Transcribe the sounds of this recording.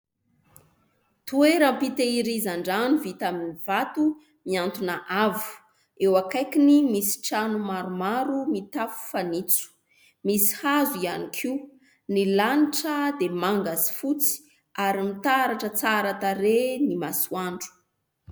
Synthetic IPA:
t̪ueɾəmpit̪eiɾizaɳɖ͡ʐanivit̪aminiv̥at̪u | miant̪unaʔavu̥ | ewakajkinimisi̥ʈ͡ʂanumaɾumaɾumit̪afu̥fanit͡su̥ | misi̥hazuianikʰiu | nilaniʈ͡ʂəd̪emaŋɡazi̥fut͡si̥ | aɾimit̪aɾaʈ͡ʂət͡saɾat̪aɾenimasuaɳɖ͡ʐu̥

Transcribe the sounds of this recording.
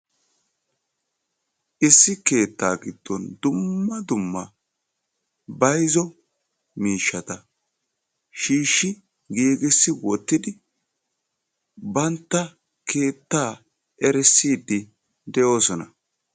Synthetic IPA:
ʔɪsːɪke̞ːt̪ːaːɡɪd̪̥ːɔnd̪ʊmːɐd̪ʊmːɐ | bɐjzɔ | miːʃːɐt̪ɐ | ʃiːʃːɪ | ɡiːɡɪsːɪwɔt̪ːɪd̪ɪ | bɐnt̪ːɐ | kʰe̞ːt̪ːaː | ɛɾɛsːiːd̪ːɪ | d̪ɛʔo̞ːsɔnɐ

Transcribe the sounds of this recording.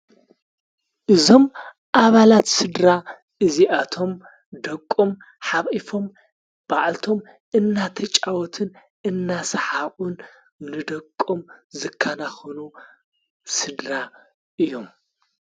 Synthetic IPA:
ʔɨzo̞m | ʔaβalat̪sɨd̪ɾa | ʔɨziʔat̪ʰo̞m | d̪ɐkʼːom | ħaβʔifo̞m | b̥aʕlt̪ʰo̞m | ʔɨnːat̪ʰɐt͡ʃʼawɔt̪ʰɨn | ʔɨnːasɐħaʔʼun | nɨd̪ɐkʼːomzɨkʰːɐnaxɐnu | sɨd̪ɾa | ʔɨjːo̞m

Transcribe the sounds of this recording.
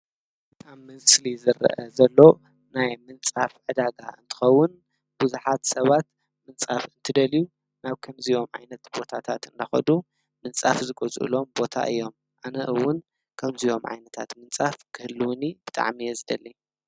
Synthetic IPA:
bɨtʼamːɨslizɨɾɐ̰ʔɐzɐlːo̞ | najmɨnt͡sʼafʕɨd̪aɡa̰ʔɨnt̪ʰɨ̥xɐwːʊn | b̥uzuħat̪sɐβat̪ | mɨnt͡sʼafɨnt̪ʰɨd̪ɐliju | naβkʰɐmzijo̞mʕa̰jnɐt̪b̥o̞t̪ʰat̪ʰat̪ɨnd̪ɐxɐ̰d̪u | mɨnt͡sʼafzɨɡozʔɨ̰lo̞mbo̞t̪ʰa̰ʔɨ̰jːo̞m | ʔanɐʔɨwʊn | kʰɐmzio̞mʕa̰jnɐt̪ʰa̰t̪mɨnt͡sʼafkʰɨhɨlːɨwʊnibɨt̪ʼa̰ʕmijɛzɨd̪ɐli

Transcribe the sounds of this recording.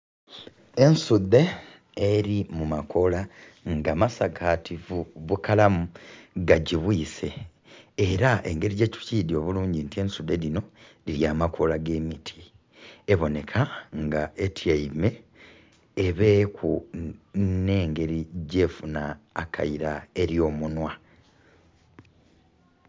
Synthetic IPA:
ensud̪ːe̞ː | ɾimumakʰo̞la | ŋɡamasaɡatʰivuβukalamuɡaɟiβwiːse̞ː | ɾaʔe̞̰ŋɡe̞ɾiɟe̞ːcu̥ciːd̪jo̞ːβuluːɲɟintiensud̪e̞lino̞liɾjaːmakʰolaɡe̞ːmitʰi̥ | eβo̞ne̞kʰaŋɡaʔetʰjaime̞ː | βe̞ːkʰu | ne̞ːŋɡe̞ɾiɟe̞ːfunaːkʰa̰iɾae̞ɾjo̞ːmunwa

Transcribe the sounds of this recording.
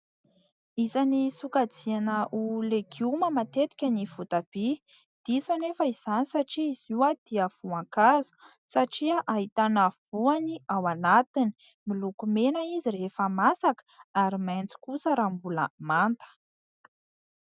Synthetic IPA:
izanisukad͡zianəʔuleɡuməmat̪et̪i̥kʲənivut̪ab̥i | d̪̥isanefəiz̥anisaʈ͡ʂiːz̥iwad̪̥iəv̥uaŋkazu̥ | saʈ͡ʂiaʔaɦit̪anav̥uaniawanat̪ini̥ | milukumenaizirefəmasakə̥aɾimant͡si̥kusəɾambulə̰mant̪ə̥

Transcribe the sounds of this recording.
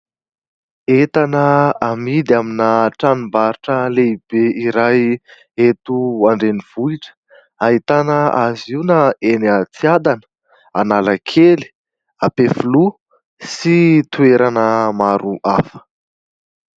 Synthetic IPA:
et̪anəamid̪iaminaʈ͡ʂanimbaɾiʈ͡ʂəleib̥eʔiɾaj | et̪uaɳɖ͡ʐeniv̥uiʈ͡ʂə̥ | aɦit̪anəaziunaenət͡siad̪anə̥ | analakʰeli̥ | apefulu | sit̪ueɾanəmaɾuʔafə̥

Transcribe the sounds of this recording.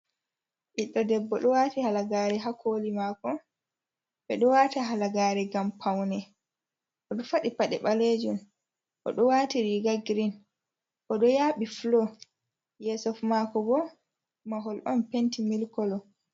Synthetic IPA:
ʔiɗːɔdɛbːɔɗɔwaːtihalaɡaːɾɛɦakʰolimakɔ | ɓɛɗɔwataɦalaɡaːɾɛɡampʰawnɛ | ʔɔɗɔfaɗipaɗɛɓaled͡ʒun | ʔɔ̰ɗɔwaːtiɾiɡaɡɾin | ʔɔɗɔjaːɓiflɔ | jɛsɔfmakɔbɔ | maɦɔlʔɔnpentimilkɔlɔ

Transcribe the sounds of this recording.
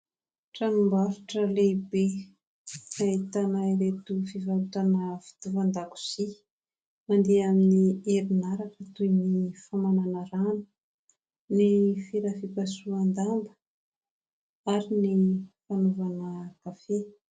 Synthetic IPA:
ʈ͡ʂanumbaɾuʈ͡ʂəleibe | ait̪anaiɾet̪ufivaluʈ͡ʂanəfi̥t̪uvand̪aku̥z̥i | mand̪eaminieɾinaɾakət̪ujnifamananaɾani̥ | nifiɾafipasuand̪ambə̥ | aɾinifanuvanəkafe

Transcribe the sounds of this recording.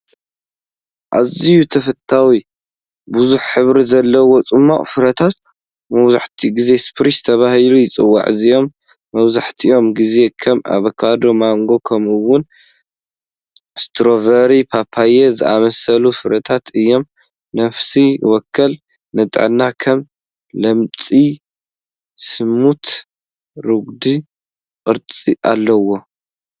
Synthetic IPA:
ʔa̰zijut̪ʰɐfɐt̪ʰːawi | buzuħħɨβɾizɐlːɐwot͡sʼɨmːo̰ʔʼfɨɾɐt̪ʰat̪ | mɐwza̰ħt̪ʰiɡize̞spɾizɨt̪ʰɐβahilujɪt͡sʼɨwːa̰ʕɨzijo̞mː | ɐβzaħt̪ʰiʔo̞mɡize̞kʰɐma̰βɐkʰad̪o̞maŋɡo̞kʰɐmɨwʊn | st̪ʰɾo̞vɐɾipʰapʰːajezɨʔamɐsɐlusɨɾɐt̪ʰat̪ɨjːo̞m | nɐfsiwɔkʰːɐl | nɨt̪ʼʕnːakʰɐm | lɐmt͡sʼi | sɨmut̪ | ɾɨɡd̪i | kʼɨɾt͡sʼiʔa̰lːɐwo̞

